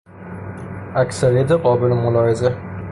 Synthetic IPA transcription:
akʲsaɾijat̪ɪqʰɒːbɪlɪmʊlɒhɪza

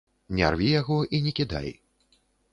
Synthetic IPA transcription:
nʲa̰rvʲijaɣɔʔinʲɛkʲid̪a̰j

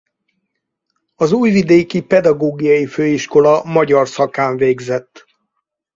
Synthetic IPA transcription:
ɒzuːjvid̪eːkipɛd̪ɒɡoːɡijɒjiføːiʃko̞lɒmɒɟɒrsɒkaːɱveːɡzɛt̪ː

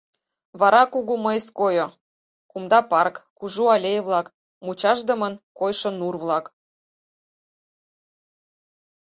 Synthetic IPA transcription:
βɑɾɑkuɣuməjskojo | kumd̪ɑpɑrkkuʒuɑlʲejβlɑk | mut͡ɕɑʒd̪ə̆mənkojʃɤ̆nurβlɑk

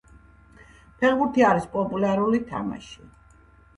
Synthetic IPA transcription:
pʰɛχbuɾt̪ʰiaɾispʼɔpʼulaɾulit̪ʰa̰ma̰ʃi

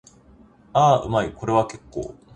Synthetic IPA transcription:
aːɯ̟̰maiko̞ɾe̞β̞ake̞kːo̰ː

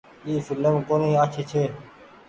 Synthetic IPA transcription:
iːfɪləmkoːniːaːt͡ʃʰeːt͡ʃʰeː

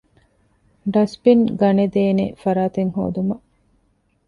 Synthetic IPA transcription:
ɖɐspinɡɐned̪eːnḛfɐɾaːt̪eŋho̰ːd̪umɐʔ

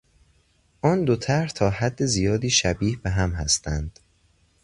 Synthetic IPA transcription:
ʔɒːnd̪ot̪ʰæɾɾht̪ʰɒːhæd̪ːezijɒːd̪iːʃæbiːhbeɦæmhæst̪ænd̪̥

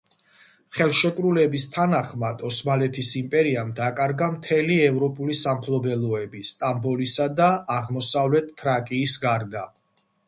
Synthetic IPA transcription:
χɛlˠʃɛkʼɾulɛbist̪ʰanaχmad̪̥ɔsmalɛt̪ʰisimpʼɛɾiamd̪akʼaɾɡamt̪ʰɛliɛvɾɔpʼulisampʰlˠɔbɛlˠɔɛbist̪ʼambɔlisad̪aaʁmɔsavlɛt̪ʰːɾakʼiːsɡaɾd̪a

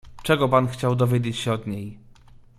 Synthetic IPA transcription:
t͡ʂɛɡɔpanxt͡ɕawd̪ɔvʲjed͡ʑet͡ɕɕɛɔd̪ɲej

